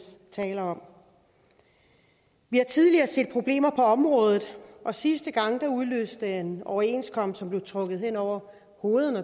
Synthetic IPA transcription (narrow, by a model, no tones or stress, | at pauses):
t͡sʰɛ̰ːlɐɒ̽m̰ | ʋihɑ̈t͡sʰið̞ˠliɐːse̝̰ːd̥̚pʰʁo̝b̥le̝̰ːmɐpʰɒ̽ɒ̽mʁɔ̽ːð̞ˠð̩ˠʔɒ̽sisd̥əɡ̥ɑ̈ŋ̰d̥ɑ̈uðˠlø̰ːsd̥əenɒʊɐe̝nskʰɒ̽m̰sɒ̽mb̥le̝ʊt͡sʰʁɔ̽ɡ̥ð̞̩ˠhen̰ɒʊ̰ɐ | ho̝ːð̩ˠənə